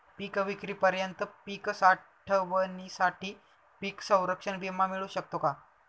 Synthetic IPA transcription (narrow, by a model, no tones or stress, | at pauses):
pikəʋikɾiːpəɾjənt̪əpikəsaʈʈʰəʋənisaʈiː | piːksə̃w̃ɾəkʂəɳbimːamiɭũɕək̚t̪oka